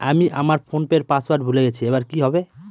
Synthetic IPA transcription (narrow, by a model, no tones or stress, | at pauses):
amiʔa̰maɾpʰonpeɾpaswaɾɖbʱuleɡet͡ɕʰiebaɾkiɦɔbe